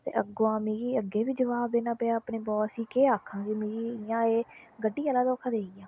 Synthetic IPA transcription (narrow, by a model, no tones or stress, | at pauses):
t̪ḛːʔəɡoːãːmẽːɡiːəɡːeːbiːd͡ʒəʋaːbd̪eːnaːpeaːəpneːbɔːsĩːkeːaːkʰːãːɡiːmẽːɡiːɪjãːeːɡəɖːiːəlaːd̪aːkʰːad̪eːijãː